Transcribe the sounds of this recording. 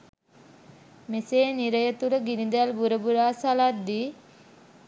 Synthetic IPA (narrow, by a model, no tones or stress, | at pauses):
meseːniɾəjət̪uləɡinid̪albuɾəbuɾaːsalat̪̚d̪i